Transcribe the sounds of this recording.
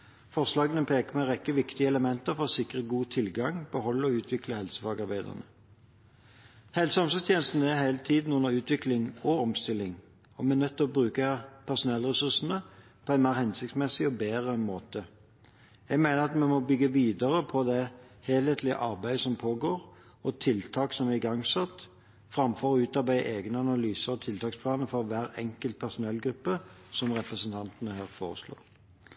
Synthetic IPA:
fɔʁslɑːɡənəpʰeːkəmɛʁɛkːəʋɪkt̪ɪəɛləmɛnt̪əɾfɔɾɔsɪkʁəɡuːt̪ʰɪlɡɑŋbəɦɔlːəɔʉːt̪ʰʋɪkləhɛlsəfɑːɡɑʁbæɪd̪ə̰ʁnə | hɛlsəɔmsəst̪ʰjeːnəst̪n̩æʁhæɪlt̪ʰiːd̪n̩ʊnəʁʉːt̪ʋɪklɪŋɔɔmst̪ɪlːɪŋ | ɔmɛænœt̪ʰːɪɔbɾʉːkəpʰæʁsʊnɛlːəʁɛsʉʁsənə | pʰɔæɪnmeːʁhɛnsɪkt̪smɛsɪɔbeːʁəmoːt̪ə | jæɡmæɪnəʁɑt̪mɛmɔbʏɡəʋiːd̪əʁəpʰɔd̪ɛheːleːt̪lɪə̰ʔɑʁbæɪsɔmpʰoːɡoːɾ | ɔt̪ʰɪlt̪ʰɑːksɔmæɪɡɑŋsɛt̪ː | fʁɑmfɔʁɔʉːt̪ɑʁbæɪʔeːɡnəɑnɑlyːsəʁɔt̪ʰɪlt̪ʰɑːkspʰlɑːnəfɔʁʋæːɾɛ̰ŋkəlt̪̚pʰæʁsʊnɛlːɡɾʉpːəsɔmʁɛpʁəsənt̪ʰɑnt̪ənəhæːʁfo̰ːʁəslo̰ːʁ

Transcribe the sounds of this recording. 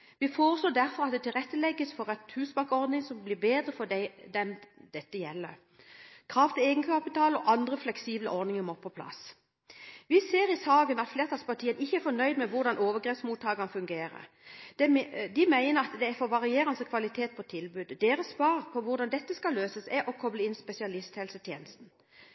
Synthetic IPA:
ʋɪfoːʁəsloːd̪æɾfɔʁɑt̪̚d̪ɛt̪ʰɪlʁɛt̪ːəlɛɡːəsfɔɾɛt̪hʉːsbɑŋkɔʁd̪nɪŋsɔmbliːbeːd̪ʁəfɔd̪æɪd̪ɛnd̪ɛt̪ːəjɛlːəʁ | kʰʁɑːft̪ɪleːɡənkʰɑpɪt̪ʰɑːlɔʔɑnd̪ʁəflɛksiːblə̰ʔɔʁd̪nɪŋəmɔpʰːɔpʰlɑ̰s | ʋɪseːɾɪsɑːɡənɑt̪fleːʁt̪ʰɑːspɑʈ̪ʰiːənɪçːəæɾfɔnœʏd̪mɛʋʊʁd̪ɑnoːʋəɡʁɛpsmuːt̪ʰːɑːɡɑnəfʉŋɡeːɾə̰ | d̪̥ɛd̪ɪmæɪnəɾɑt̪d̪ɛæfɔʋɑʁɪeːʁənsəkʰʋɑlɪt̪ʰeːt̪̚pʰɔt̪ʰɪlbʉːd̪d̪eːɾəsːʋɑːʁpʰɔʋʊʁd̪ɑnd̪ɛt̪ːəskɑlːøːsəsɛʔɔkʰɔbləɪnspɛsɪɑlɪst̪hɛlsət̪ʰjeːnəst̪n̩

